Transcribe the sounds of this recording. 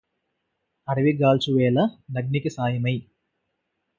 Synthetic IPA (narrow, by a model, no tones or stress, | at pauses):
ɐɾɐʋiɡaːlt͡ʃuʋeːlɐnɐɡ̚nikisaːjɐmɐj